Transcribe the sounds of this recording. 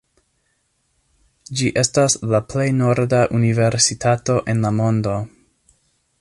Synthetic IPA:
d͡ʒiʔe̞staslaple̞jno̞ɾdaʔunive̞ɾsitʰato̞ʔe̞nlamo̞ndo̞

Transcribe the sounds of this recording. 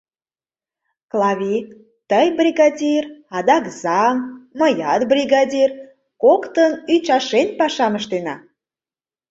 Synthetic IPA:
klˠɑβʲi | t̪əjbrʲiɣɑdʲirɑd̪ɑkzɑmməjɑt̪brʲiɣɑdʲir | kokt̪ənyt͡ɕɑʃenpɑʃɑməʃt̪enɑ̰

